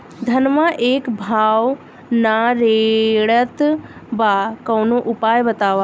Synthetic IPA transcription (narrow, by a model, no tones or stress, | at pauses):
d̪ʱɐnmaʔeːkbʱaːw | naɾeːɽət̪bakɐːnoʔʊpaːjbɐt̪aːʋa